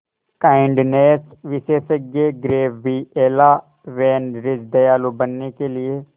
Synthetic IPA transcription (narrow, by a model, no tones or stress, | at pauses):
kaːɪɳɖneːsʋɪʃeːsəɡeːɡɾeːbbiːeːlaː | ʋɛːnɖɾɪd͡ʒd̪əjaːloːbənːeːkelɪeː